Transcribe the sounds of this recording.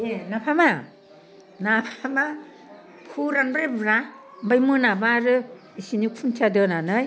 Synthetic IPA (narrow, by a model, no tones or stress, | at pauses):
enapʰama | napʰama | pʰuɾanbɾebɾa | mbajmɯnabaɾɯ | isinikʰunt͡ʃʰadɯnanɯj